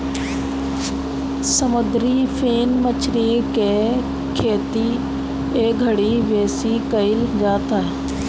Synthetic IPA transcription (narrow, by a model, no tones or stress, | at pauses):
səmʊd̪ɾifʰeːnmət͡ʃɾiːkeː | kʰeːt̪i | eːɡʱəɽiːʋeːsikəɪld͡ʒaːt̪a